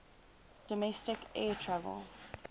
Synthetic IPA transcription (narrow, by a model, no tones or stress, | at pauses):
d̥ɔmɛstɪkʔɛːtʰɹavə̰lˠ